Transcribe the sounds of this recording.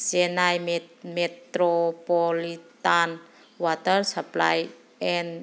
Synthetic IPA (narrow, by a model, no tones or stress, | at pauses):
senajmmet̪ɾopolitan | watəɾsapla̰j | en